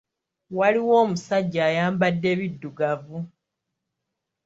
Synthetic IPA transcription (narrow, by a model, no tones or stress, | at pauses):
waliwo̞ːmusaɟːaːjaːmbadːe̞ːβidːuɡavu